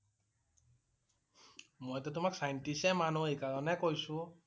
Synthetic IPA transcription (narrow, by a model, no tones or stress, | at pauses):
mojtʊt̬ʊmaksajntisɛmanuejkaɹɔnɛkojsʊ̃